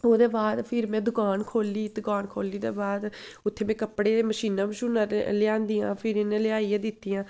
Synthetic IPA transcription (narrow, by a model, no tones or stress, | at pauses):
oːd̪eːbaːd̪pʰɪɾmɛ̃ːd̪ʊkaːnkʰoːliːd̪ʊkaːnkʰoːliːd̪ḛːbaːd̪ʊt̪ʰːeːmɛ̃ːkəpːɽeːməʃiːnãːməʃʊnalɪjãːnd̪iːã̰ːpʰɪɾɪnẽːlɪaːiːaːd̪ɪt̪ːiːãː